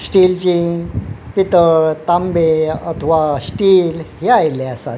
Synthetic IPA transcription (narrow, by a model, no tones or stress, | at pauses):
sʈilt͡ɕi | pit̪əɾt̪ambeat̪ʰʋasʈiːlɦjajleəsa̰